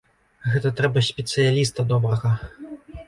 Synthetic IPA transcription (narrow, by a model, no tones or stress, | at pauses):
ɣɛt̪ɐt̪ɾɛbɐsʲpʲɛt̪sɨjalʲist̪ɐd̪ɔbɾɐɣɐ